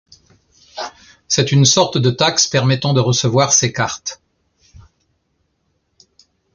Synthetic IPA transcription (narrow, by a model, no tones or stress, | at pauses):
sɛt̪ynsɔʁt̪d̪ət̪akspɛʁmɛt̪ɑ̃d̪əʁəsəvwaʁsekaʁt̪